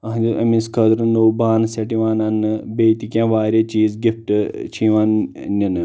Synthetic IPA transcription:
ɐɦd͡ʒʲiʔɐ̰minskʰɐd̪ɾɨnoːbaːnseʈiʋaːnɐnɨbeːt̪ikʲãːʋaːɾʲeːt͡ʃiːzɡifʈɨt͡ʃʰĩːʋaːnninɨ

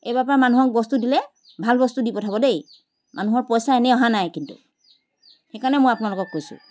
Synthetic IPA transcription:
ejbapaamanuɦɔk̚bɔst̪udilɛ | bʱalbɔst̪udipɔtʰabɔdej | mʔanuɦɔɹpɔjsaenɛɔɦanajkintṵ | xɛkaɹnɛmojapunalʊkɔkːojsʊ̰

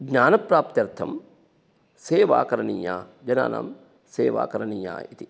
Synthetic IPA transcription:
ɡɲaːnɐpɾaːp̚t̪jɐɾt̪ʰɐm | seːʋa̰ːkɐɾɐnija̰ːd͡ʒɐna̰ːnʔa̰m | seːʋa̰ːkɐɾɐnija̰ːit̪i

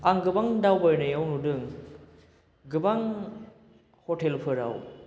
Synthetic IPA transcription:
aŋɡɯbaŋdawbajnajawnudɯŋ | ɡɯbaŋ | hotʰelpʰɯɾa̰w

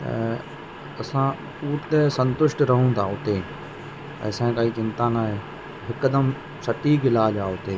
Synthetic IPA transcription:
ɐsã | uːʈt̪esɐ̃nt̪ʊʃʈɾɐɦũːt̪ʰaːʊt̪e | pə̰ːsãːkaiːt͡ʃɪ̃nt̪ãnaːɦeː | ɦɪkːəd̪əm | sɐʈiːkɪlaːd͡ʒaːʊt̪eː

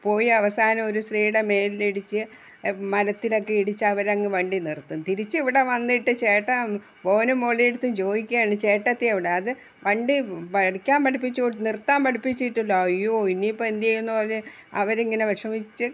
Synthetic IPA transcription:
po̞ːjiɐʋɐsaːnɐmo̞ɾusriːɽe̞me̞ːliliɽit͡ɕːɨ | mɐlɐt̪ːilo̞kːe̞iɽit͡ɕːɨɐʋɐɾɐŋːɨʋɐɳɖinirt̪ːunt̪iɾit͡ɕːɨiʋiɽe̞ʋɐnːiʈːɨt͡ɕe̞ːʈːɐ | po̞ːnumoɭieɽut̪ːumd͡ʑo̞ːjikʲːɐjaːɳɨt͡ɕe̞ːʈːɐt̪ːiɐʋiɽeɐðɨ | ʋɐɳɖipɐɽikʲːaːmpɐɽipːit͡ɕːuʈːnirt̪ːaːmpɐɽipːit͡ɕːiʈːulːojoinipːoend̪ijejunːuporle | ɐ̰ʋɐɾeŋːɐne̞ʋɐʂɐmit͡ɕːɨ

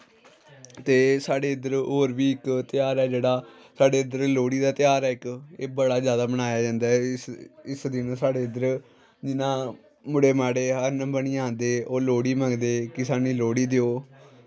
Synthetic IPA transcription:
t̪eːsaːɽeːɪd̪əɾoːɾʋiːɪkt̪ɪjaːɾɛːd͡ʒeːɽaː | saːɖeːəd̪əɾloːɽiːd̪aːt̪ɪjaːɾɛːɪkeːbəɽaːzjaːd̪aːbənaːjaːd͡ʒãːnd̪aːɛɪsɪsd̪ɪnːsaːɽeːəd̪əɾ | d͡ʒɪnãː | mʊɽeːmaːɽeːɦəɾnəbəɳiːãːnd̪eːoːloːɽiːmə̃ŋɡd̪eːkɪsaːniːloːɽiːd̪eoː

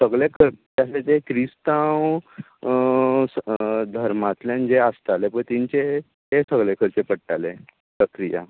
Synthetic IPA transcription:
səɡɭekʰəɾpəaset̪ekɾist̪aw | sd̪ʱəɾmat̪ljãnd͡zeast̪alepəɳt̪iɲt͡ɕe | t̪esəɡɭekʰəɾt͡sepəɽʈale | pɾəkɾija̰

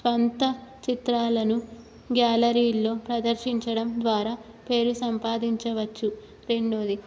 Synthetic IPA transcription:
sʋɐnt̪ɐt͡ʃit̪ɾaːlɐnu | ɡjaːlɐɾiːlːo̞ːpɾɐd̪ɐɾʃiɲt͡ʃɐɽɐmd̪ʋaːɾaː | pe̞ːɾusɐmpaːd̪iɲt͡ʃɐʋɐt͡ʃːu | ɾe̞ɳɖo̞ːd̪i

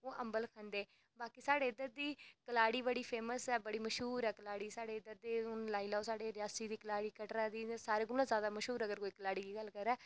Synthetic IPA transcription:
oːʔəmbəlkʰãːnd̪eː | baːkiːsaːɽeːɪd̪ːət̪̚d̪iːkəlaːɽiːbəɽiːpʰeːməsɛːbəɽiːməʃɦuːɾɛːkəlaːɽiːsaːɽeːɪd̪ət̪̚d̪eːʊnlaːiːlaːoːsaːɽeːɾɪjaːsiːd̪iːkəlaːɽiːkəʈɾaːd̪iːsaːɾeːɡʊlãzjaːd̪aːməʃɦuːɾəɡəɾkoːiːkəlaːɽiːɡiːɡəlkəɾɛː

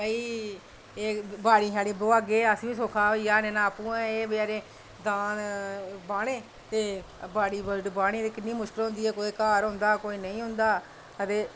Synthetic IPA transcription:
əiː | eːbaːɽiːɦaːɽiːboːaːɡeːəsʋĩːsoːkʰaːiːjaːnẽːnãːpũːɛ̃ːeːbəɡɛːɾeː | d̪aːnbaːɽẽː | t̪eː | baːɽiːbəlɖbaːɽ̃eːt̪eːkɪnːiːmʊʃkəlɦʊ̃nd̪iːɛːkoːeːkaːɾɦʊ̃nd̪aːkoːiːnəĩːɦʊ̃nd̪aː | ət̪eː

